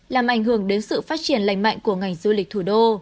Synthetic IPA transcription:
laː˨˩mʔa˧˩jŋ̟hɨ˧˩əŋɗe˨˦nsɨ̰˧˨faː˦˥t̚t͡ɕi˧˩ənla̰˧˨jŋ̟ma̰˧˨ŋ̟ku˧˩əŋa˨˩jŋ̟zu˧lï˨˩k̟̚t̪ʰu˧˩ɗo˧

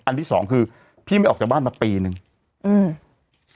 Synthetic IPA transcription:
ʔa˧nt̪ʰiː˥˩ɔ̰ː˩˦ŋkʰɯː˧ | pʰiː˥˩ma˥˩jʔɔ˨˩k̚t͡ɕːa˨˩k̚baː˥˩nmaː˧piː˧nɯ˨˧ŋ | ʔɯː˧˩m

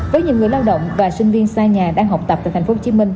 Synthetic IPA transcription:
vəː˨˦jɲɨ̰˧˨ŋɨ˨˩əjlaː˧wɗə̰˧˨wŋ͡mvaː˨˩sï˧ŋ̟vi˧ənsaː˧ɲaː˨˩ɗaː˧ŋɦa˨˩k͡p̚t̪ə˨˩p̚t̪aː˧˨˩t̟ʰfo˨˦t͡ɕi˨˦mï˧ŋ̟

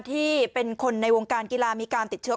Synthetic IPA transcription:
t̪ʰiː˥˩pe˧nkʰo˧nːa˧jwoː˧ŋkaː˧nkiː˧laː˧miː˧kaː˧nt̪i˨˩t̪̚t͡ɕʰɯ˦

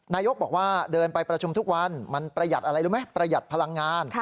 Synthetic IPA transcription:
naː˧jo˦˥k̚bɔː˨˩k̚waː˥˩dɤː˧npa˧jpɾa˧t͡ɕʰu˧mt̪u˦˥k̚wa˧nma˧npɾa˧ja˨˩t̪̚ʔa˧ɾa˧jɾuː˦˥ma˦˥jpɾa˧ja˨˩t̪̚pʰa˧la˧ŋːaː˧n

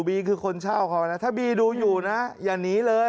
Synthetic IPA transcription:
biː˧kʰɯː˧kʰo˧nt͡ɕʰaː˥˩wkʰa˧˦wa˧na˦˥t̪ʰaː˥˩biː˧duː˧juː˨˩na˦˥jaː˨˩ŋniː˦˥lɤː˧

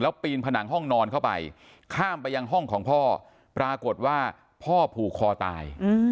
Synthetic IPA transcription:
lɛː˦˥wpiː˧npʰa˧na˩˦ŋɦɔ˥˩ŋnɔː˧nkʰa˥˩wpa̰˧j | kʰaː˥˩mpa˧jːa˧ŋɦɔ˥˩ŋkʰɔː˩˦ŋpʰɔː˥˩ | pɾaː˧ko˨˩t̪̚waː˥˩ | pʰɔː˥˩pʰuː˨˩kʰːɔː˧t̪a̰ː˧j

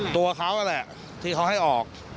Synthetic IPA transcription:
t̪u˧ɐkʰa˦˥wʔa˧lɛ˨˩ʔ | t̪ʰiː˧kʰa˦˥wɦa˥˩jʔɔː˨˩k̚

